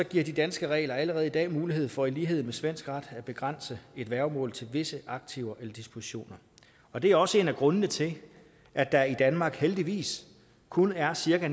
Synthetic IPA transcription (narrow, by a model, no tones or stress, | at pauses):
sɒ̽ɡ̥iɐ̰d̥id̥ænsɡ̥əʁɛ̰ːlɐæləʁɛːð̞̩ˠidɛ̰ːmuːliɦe̝ð̰ˠfɒ̽iliːɦe̝ð̞̰̩ˠmesʋen̰sɡ̥ʁɑd̥æb̥e̝ɡ̥ʁɑn̰səe̝d̥ʋæɐʊmɔ̰ːlt͡sʰe̝lʋe̝səʔɑ̈ɡ̥̚t͡sʰiʊɐʔelɐd̥ispʰo̝siɕo̝̰ːnɐ | ɒ̽d̥e̝æɐɒ̽səe̝ːnæɡ̥ʁɔ̽nnət͡sʰe̝ | ʔæd̥ɑid̥ænmɑ̈ːɡ̥held̥iʋḭːs | kʰunæɐsiɐɡ̥æn